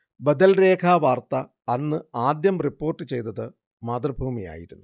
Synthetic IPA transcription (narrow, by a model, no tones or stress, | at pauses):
bɐd̪ɐlre̞ːkʰaʋaːrt̪ɐː | nːɨaːd̪jɐmripːo̞ːrʈːɨt͡ɕe̞jt̪ɐðɨ | maːd̪rɐbʱuːmija̰ːjiɾunːu